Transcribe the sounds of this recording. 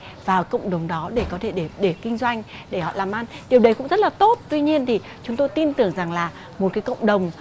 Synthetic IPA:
vaː˨˩wkə̰˧˨wŋ͡mɗə˨˩wŋ͡mɗɔ˨˦ɗe˧˩kɔ˨˦t̪ʰe˧˩ɗe˧˩ɗe˧˩kï˧ŋ̟zwa˧jŋ̟ɗe˧˩hɔ̰˧˨laː˨˩mʔaː˧nɗi˨˩əwɗə˨˦jkʊ̰˧˥ŋ͡mzə˦˥t̚laː˨˩t̪o˦˥t̚t̪wi˧ɲi˧ənt̪ʰi˨˩ | t͡ɕʊ˨˦ŋ͡mt̪o˧jt̪i˧nt̪ɨ˨˧˩əŋza˨˩ŋlaː˨˩ | mo˨˩t̚kaː˨˦jkə̰˧˨wŋ͡mɗə˨˩wŋ͡m

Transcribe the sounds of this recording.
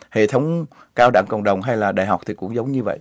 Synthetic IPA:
hḛ˧˨t̪ʰə˨˦wŋ͡m | kaː˧wɗa̰ː˧˩ŋkə̰˧˨wŋ͡mɗə˨˩wŋ͡mɦa˧jlaː˨˩ɗaː˧˨jɦa˨˩wk͡p̚t̪ʰi˨˩kʊ̰˧˥ŋ͡mzə˨˦wŋ͡mɲɨ˧və̰˧˨j

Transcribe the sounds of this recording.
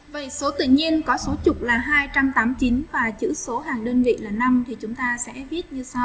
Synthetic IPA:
və˨˩so˨˦t̪ɨ̰˧˨ɲi˧ənkɔ˨˦so˨˦t͡ɕʊ˨˩k͡p̚laː˨˩ɦaː˧jt͡ɕa˧mt̪aː˨˦mt͡ɕi˨˦nvaː˨˩t͡ɕɨ̰˧˥so˨˦ɦaː˨˩ŋɗə˧nvḭ˧˨laː˨˩na˧mt̪ʰi˨˩t͡ɕʊ˨˦ŋ͡mt̪aː˧sɛ̰˧˥vi˦˥ət̚ɲɨ˧sa˧w

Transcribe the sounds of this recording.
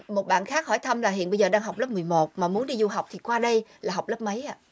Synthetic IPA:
mo˨˩t̚ɓa̰ː˧˨nxaː˦˥k̚hɔ˧˩jt̪ʰə˧mlaː˨˩ɦḭ˧˨ənɓə˧jzəː˨˩ɗaː˧ŋɦa˨˩wk͡plə˦˥p̚mɨ˨˩əjmo˨˩t̚maː˨˩mu˨˦nɗi˧zu˧ɦa˨˩wk͡p̚t̪ʰi˨˩kwaː˧ɗə˧jlaː˨˩ɦa˨˩wk͡p̚lə˦˥p̚mə˨˦jʔaː˧

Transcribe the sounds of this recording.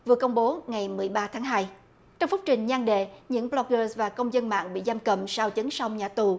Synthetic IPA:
vɨ˨˩əkə˧wŋ͡mɓo˨˦ŋa˨˩jmɨ˨˩əjɓaː˧t̪ʰaː˨˦ŋɦaː˧j | t͡ɕɔ˧wŋ͡mfʊ˦˥k͡p̚t͡ɕï˨˩ŋ̟ɲaː˧ŋɗḛ˧˨ɲɨ̰˧˥ŋɓlɔ˧k̚ɣəː˧svaː˨˩kə˧wŋ͡mzə˧nma̰ː˧˨ŋɓḭ˧˨zaː˧mkə˨˩msaː˧wt͡ɕə˨˦ŋsa˧wŋ͡mɲaː˨˩t̪u˨˩

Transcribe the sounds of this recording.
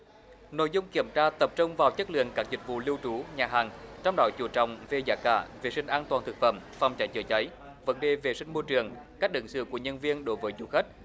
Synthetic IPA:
no̰˧˨jzʊ˧ŋ͡mki˧˩əmt͡ɕaː˧t̪ə˨˩p̚t͡ɕʊ˧wŋ͡mvaː˨˩wt͡ɕə˦˥k̚lɨ̰˧˨ənkaː˦˥k̚zï˨˩k̟̚vṵ˧˨li˧wt͡ɕu˨˦ɲaː˨˩ɦaː˨˩ŋt͡ɕɔ˧wŋ͡mɗɔ˨˦t͡ɕu˧˩t͡ɕɔ̰˧˨wŋ͡mve˧˩zaː˧˩ka̰ː˧˩ve˨˩sï˧ŋ̟ʔaː˧nt̪waː˨˩nt̪ɨ˨˩k̚fə̰˧˩mfa˨˩wŋ͡mt͡ɕa˨˦jt͡ɕɨ˧˩t͡ɕə˨˦j | və̰˨˦nɗe˨˩ve˨˩sï˧ŋ̟mo˧t͡ɕɨ˨˩əŋkaː˦˥k̚ʔɨ̰˨˧˦ŋsɨ̰˧˨ku˧˩əɲə˧nvi˧ənɗo˨˦jvəː˨˦jzu˧˩xə˦˥t̚

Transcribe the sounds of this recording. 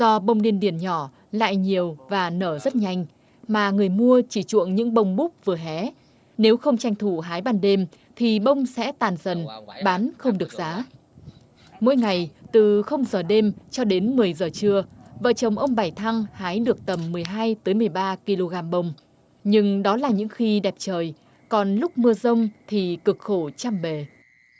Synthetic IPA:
zɔ˧ɓə˧wŋ͡mɗi˧ənɗi˧˩ənɲɔ˧˩ | la̰ː˧˨jɲi˨˩əwvaː˨˩nəː˧˩zə˦˥t̚ɲa˧˩jŋ̟ | maː˨˩ŋɨ˨˩əjmu˧ət͡ɕi˧˩t͡ɕṵ˧˨əŋɲɨ̰˧˥ŋɓə˧wŋ͡mɓu˦˥k͡p̚vɨ˨˩əɦɛ˨˦ | ne˨˦wxə˧wŋ͡mt͡ɕa˧jŋ̟t̪ʰu˧˩ɦaː˨˦jɓaː˧nɗe˧m | t̪ʰi˨˩ɓə˧wŋ͡msɛ̰˧˥t̪aː˨˩nzə˨˩nɓaː˨˦nxə˧wŋ͡mɗɨ˨˩ək̚zaː˨˦ | mo̰˧˥˦jŋa˨˩jt̪ɨ˨˩xə˧wŋ͡mzəː˨˩ɗe˧mt͡ɕɔ˧ɗe˨˦nmɨ˨˩əjzəː˨˩t͡ɕɨ˧əvə̰ː˧˨t͡ɕə˨˩wŋ͡mʔə˧wŋ͡mɓaː˨˧˩jt̪ʰa˧ŋhaː˨˦jɗɨ˨˩ək̚t̪ə˨˩mːɨ˨˩əjɦaː˧jt̪əː˨˦jmɨ˨˩əjɓaː˧ki˧lo˧ɣaː˧mɓə˧wŋ͡m | ɲɨ˧ŋɗɔ˨˦laː˨˩ɲɨ̰˧˥ŋxi˧ɗɛ˨˩p̚t͡ɕəː˨˩j | kɔ˨˩nlʊ˦˥k͡p̚mɨ˧əzə˧wŋ͡mt̪ʰi˨˩kɨ˨˩k̚xo˧˩t͡ɕaː˧mɓe˨˩

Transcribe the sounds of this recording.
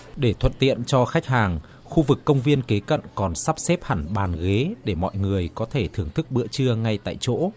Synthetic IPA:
ɗe˧˩t̪ʰwə̰˧˨nt̪ḭ˧˨ənt͡ɕɔ˧xa˦˥k̚haː˨˩ŋ | xu˧vɨ˨˩kːə˧wŋ͡mvi˧ənke˨˦kə̰˧˨nkɔ˨˩nsa˦˥p̚sɛ˦˥p̚ha˧˩nɓaː˨˩nɣe˨˦ɗe˧˩mɔ̰˧˨jŋɨ˨˩əjkɔ˨˦t̪ʰe˧˩t̪ʰɨ˨˩əŋt̪ʰɨ˦˥k̚ɓɨ̰˧˥ət͡ɕɨ˧əŋa˧jt̪a̰ː˧˨jt͡ɕo̰˧˥

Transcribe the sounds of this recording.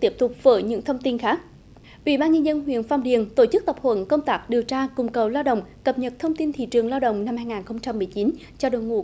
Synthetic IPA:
t̪i˦˥əp̚t̪ʊ˨˩k͡p̚v̥əː˧˩jɲɨ̰˧˥ŋt̪ʰə˧wŋ͡mt̪i˧nxaː˦˥k̚ | ʔḭ˧˩˦ɓaː˧nɲə˧nzə˧nɦwḭ˧˨ənfa˧ŋ͡mɗḭ˨˧˨ənt̪o˧˩t͡ɕɨ˦˥k̚t̪ə˨˩p̚hwə̰˧˥˦nkə˧wŋ͡mt̪aː˦˥k̚ɗi˨˩əwt͡ɕaː˧kʊ˨˩ŋ͡mkə˨˩wlaː˧wɗə̰˧˨wŋ͡mkə˨˩p̚ɲə˨˩t̚t̪ʰə˧wŋ͡mt̪i˧nt̪ʰḭ˧˨t͡ɕɨ˨˩əŋlaː˧wɗə̰˧˨wŋ͡mna˧mhaː˧jŋaː˨˩nxə˧wŋ͡mt͡ɕa˧mːɨ˨˩jt͡ɕi˨˦n | t͡ɕɔ˧ɗo˧˨˩jŋṵ˧˩

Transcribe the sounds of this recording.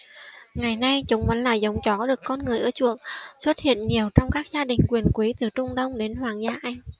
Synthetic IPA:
ŋa˨˩jna˧jt͡ɕʊ˨˦ŋ͡mmə˨˦nlaː˨˩jzə˨˦wŋ͡mt͡ɕɔ˨˦ɗɨ˨˩əkːɔ˧nŋɨ˨˩əjʔəː˧˩t͡ɕu˨˧˩əŋswə˦˥t̚hḭ˧˨ənɲi˨˩əwt͡ɕɔ˧wŋ͡mkaː˦˥k̚zaː˧ɗï˨˩ŋ̟kwi˨˩ənkwi˨˦t̪ɨ˨˩t͡ɕʊ˧ŋ͡mɗə˧wŋ͡mɗe˨˦nhwaː˨˩ŋzaː˧˩ʔa˧jŋ̟

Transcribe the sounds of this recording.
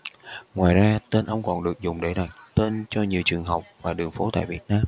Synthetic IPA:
ŋwaː˨˩jzaː˧t̪e˧nʔə˧wŋ͡mkɔ˨˩nɗɨ˨˩ək̚zʊ˨˩ŋ͡mɗe˧˩ɗa˨˩t̚t̪e˧nt͡ɕɔ˧ɲi˨˩əwt͡ɕɨ˨˩əŋɦə˨˩wk͡p̚vaː˨˩ɗɨ˨˩əŋfo˨˦t̪a̰ː˧˨jvi˨˩ət̚naː˧m

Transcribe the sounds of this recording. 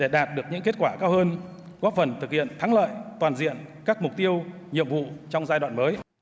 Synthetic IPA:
ɗe˧˩ɗaː˨˩t̚ɗɨ˨˩ək̚ɲɨ̰˧˥ŋke˦˥t̚kwaː˧˩kaː˧whəː˧n | ɣɔ˦˥p̚fə˨˩nt̪ʰɨ˨˩k̚hḭ˧˨ənt̪ʰa˨˦ŋlə̰ː˧˨jt̪waː˨˩nzḭ˧˨ənkaː˦˥k̚mʊ˨˩k͡p̚t̪i˧əw | ɲḭ˧˨əmvṵ˧˨t͡ɕɔ˧wŋ͡mzaː˧jɗw̰ːnməː˨˦j

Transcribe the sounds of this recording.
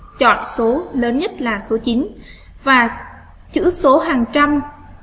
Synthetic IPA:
t͡ɕɔ̰˧˨nso˨˦ləː˨˦nɲə˦˥t̚laː˨˩so˨˦t͡ɕi˨˦n | vaː˨˩ | t͡ɕɨ̰˧˥so˨˦ɦaː˨˩ŋt͡ɕa˧m

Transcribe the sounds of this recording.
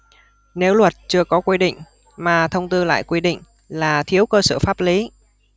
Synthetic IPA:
ne˨˦wlwə˨˩t̚t͡ɕɨ˧əkɔ˨˦kwi˧ɗḭ̈˧˨ŋ̟ | maː˨˩t̪ʰə˧wŋ͡mt̪ɨ˧la̰ː˧˨jkwi˧ɗḭ̈˧˨ŋ̟ | laː˨˩t̪ʰi˨˦əwkəː˧səː˧˩faː˦˥p̚li˨˦

